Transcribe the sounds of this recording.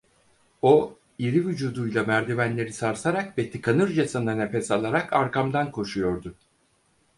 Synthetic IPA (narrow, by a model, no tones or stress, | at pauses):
o | iɾivyd͡ʒuːd̪ujlˠamæɾd̪ivænlʲe̞ɾisaɾsaɾakvɛt̪ʰikʰanɯɾd͡ʒasananefɛsalˠaɾakʰaɾkamd̪ankʰo̞ʃujo̞ɾd̪ʊ